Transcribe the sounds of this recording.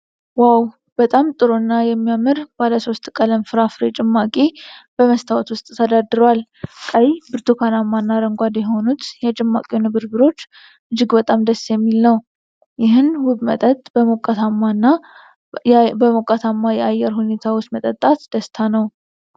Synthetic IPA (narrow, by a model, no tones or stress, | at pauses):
waw | b̥ət̪ʼamt̪ʼɨɾonːajɛmːijamːɨɾb̥aləso̞st̪kʼələmfɨɾafɾet͡ʃʼɪmːakʼib̥əməst̪ʰawt̪wʊst̪ʼt̪ʰəd̪ad̪ɨɾowalkʼəjbɨɾt̪ʰukʰanamːanːaɾəŋɡʷad̪jɛho̞nut̪jɛt͡ʃʼɪmːa̰kʼiwunɨβɨɾbɨɾo̞t͡ʃː | ʔɨd͡ʒːɪɡbət̪ʼamd̪əsːjɛmːilnəw | jɪɦɨnhubmə̰t̪ʼət̪ʼbəmokʼːat̪ʰamːanːa | bəmokʼat̪ʰamːajɛajːɛɾɦune̞t̪ʰawɔt͡ʃːmət̪ʼət̪ʼːat̪d̪̥əst̪ʰanəw